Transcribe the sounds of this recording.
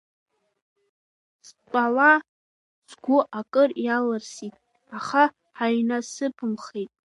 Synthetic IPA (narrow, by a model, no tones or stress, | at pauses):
spʼala | zɡʷʊʔakʼɨrjalɨrsitʼ | aχa | ħaɥnasɨpʰɨmχejtʼ